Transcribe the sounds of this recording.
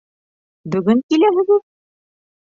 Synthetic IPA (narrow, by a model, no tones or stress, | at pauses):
bɵ̆ɡɵŋkilæɦɘ̆ɡɘt̪̚